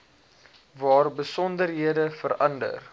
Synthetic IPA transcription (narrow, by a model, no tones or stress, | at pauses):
vɑːrbəsɔndərɦiədəfəɾɐndə̰r